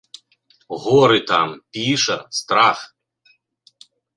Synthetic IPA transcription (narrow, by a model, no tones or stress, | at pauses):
ɣɔɾɪt̪ɑmpʲiʃɐst̪ɾɑx